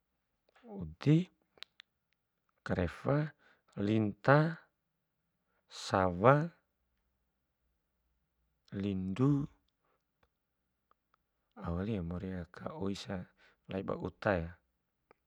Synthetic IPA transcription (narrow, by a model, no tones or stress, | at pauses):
ud̪i | kaɾefa | lint̪a | sawa | lindu | awaliamɔɾiakʰa̰oisa | laiba̰ʔṵt̪aja